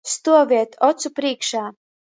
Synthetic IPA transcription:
st̪uɔvʲiɛt̪ɔt̪supɾiːkʃaː

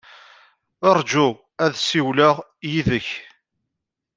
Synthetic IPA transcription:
əɾˤd͡ʒu | æðsiwləʁ | jiðəç

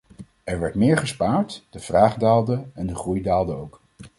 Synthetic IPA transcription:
ɛɹʋɛɹtmɪːɹχəspaːɹtd̥əv̥raːχdaːlˠdəɛndəχrujdaːlˠdəowk

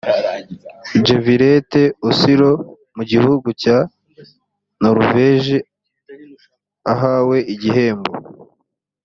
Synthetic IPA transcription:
d͡ʒeviɾete̞usiɾo̞ | muɟihuɡuca | noɾuveʒi | aɦaːwe̞iɟiɦe̞ːmbo̰

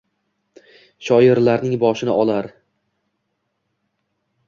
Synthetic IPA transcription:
ʃɒjɪɾlaɾnɪŋbɒʃɪnɪʔɒlˠaɾ

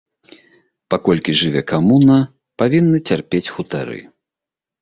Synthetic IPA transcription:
pakɔlʲkʲiʐɨvʲɛkamunɐ | pavʲinːɨt͡sʲarpʲet͡sʲxut̪aɾɨ̰

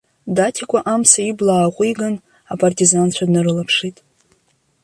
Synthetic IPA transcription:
datʰikʷʼaʔamsaiblaːqʷʼiɡan | apʼartʰʼizant͡ɕʷʰadnɨɾɨlapʰʂitʼ

